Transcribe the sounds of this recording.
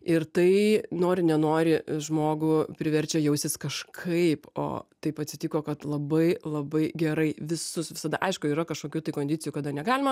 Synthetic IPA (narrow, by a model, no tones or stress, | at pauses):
ɪrt̪ɐɪnoːɾʲɪnʲɛnoːɾʲɪʒmoːɡʊpʲɾʲɪʋʲɛɾʲt͡ʃʲɛjɛʊsʲɪskɐʃkʰɐɪpo̰ːt̪ɐɪpɐt̪ʲsʲɪt̪ʲiːkoːkɐt̪lˠɐbɐɪlˠɐbɐɪɡʲɛɾɐɪʋʲɪsʊsʋʲɪsɐd̪ɐʔɐɪʃkʊiːɾɐkɐʃkoːkʲuːt̪ɐɪkoːnd̪ʲɪːt͡sʲɪjukɐd̪ɐnʲɛɡɑːlʲɪmɐ